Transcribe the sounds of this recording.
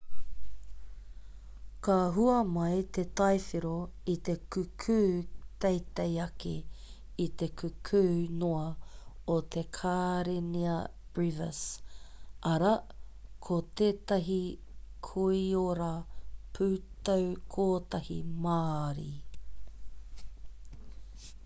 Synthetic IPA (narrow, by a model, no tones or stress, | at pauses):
kaɦuɐmɐjt̪et̪ɐjfiɾoit̪ekʉkʰʉːt̪ejt̪ejɐkḛ | it̪ekʉkʰʉːnoɐot̪ʰe̞kʰaːɾeniɐb̥ɹivɐ̰s | ʔɐɾɐkʰot̪eːt̪ɐɦi | kʰuioɾɐpʰʉːt̪owkʰoːt̪ɐhḭmaːɾḭ